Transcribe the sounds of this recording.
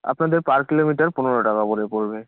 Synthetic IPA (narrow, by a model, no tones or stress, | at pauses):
a̰pnad̪eɹpaɹkilomiʈaɹpʊnɔɹɔʈakaboɾepoɹbe